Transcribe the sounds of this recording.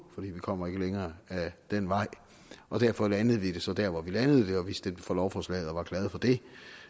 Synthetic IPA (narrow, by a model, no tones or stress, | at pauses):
fɒ̽d̥ḭːʋikʰɒ̽m̰ɐe̝ɡ̥əleŋɐːæd̥enʋɑ̈ɪ̰ | ɒ̽d̥æɐ̰fɒ̽lænəð̞̩ˠʋid̥e̝sɒ̽d̥æɐ̰ʋɒʋilænəð̞ˠd̥e̝ɒ̽ʋisd̥enfɒlɒʊfɒslɛ̰ɪð̩ˠɒ̽ʋɑ̈ɡ̥lɛːð̞̩ˠfɒ̽d̥e̝